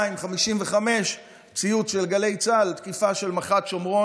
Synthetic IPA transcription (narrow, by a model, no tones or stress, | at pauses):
imχamiʃimveχame̞ʃ | t͡sijutʃelɡale̞jt͡salt̪kifaʃe̞lmaχatʃomʁo